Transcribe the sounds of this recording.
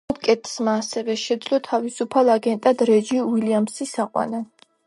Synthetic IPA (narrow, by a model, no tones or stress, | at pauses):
kʼɛt̪ʰsmaːsɛvɛʃɛd̪zlɔt̪ʰavisupʰalˠaɡɛnt̪ʼad̪ɾɛd͡ʒiiliamsisaqʼwa̰na